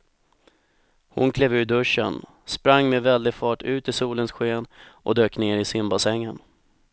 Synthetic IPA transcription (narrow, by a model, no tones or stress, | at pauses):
hʊ̰nkʰleːvʉ̟ːɖɵʂːə̰n | spɾaŋːmɛvɛld̪ɪɡfɑːʈʰʉ̟ːt̪ɪsuːlənsɧeːnʔɔ̰d̪øːkneːɾɪsɪmbasɛŋːən